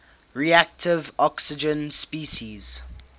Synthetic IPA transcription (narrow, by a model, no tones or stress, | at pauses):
ɹiæk̚tʰɪvɔksɪd͡ʒə̃nspiːʃiz̥